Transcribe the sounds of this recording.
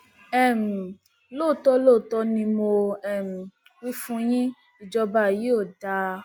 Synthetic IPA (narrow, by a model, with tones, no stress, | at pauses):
ɛ˦˨m̩˨ | lo˦˨tɔ˧˦lo˦˨tɔ˧nĩ˧mo˧ɛ˦˨m̩˨ | wi˦fũ˧˦j̃ĩ˦ | i˨d͡ʒɔ˧ba˧˨ji˨˦o˦˨da˧